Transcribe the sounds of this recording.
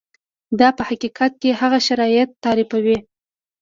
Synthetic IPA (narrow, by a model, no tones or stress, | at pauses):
d̪ɑpəhaqiqʰat̪̚kehaɣaʃaɾɑjɪt̪ːɑɾɪfawi